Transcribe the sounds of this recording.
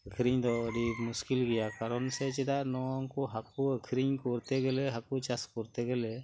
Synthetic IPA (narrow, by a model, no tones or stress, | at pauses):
əkʰɾiɲd̪ɔəɖimuskilɡɛjakaɾɔnsɛt͡ʃɛd̪aʔnɔɔŋkɔɦakuəkʰɾiɲkɔɾt̪ɛɡɛlɛɦakut͡ʃaskɔɾt̪ɛɡɛlɛ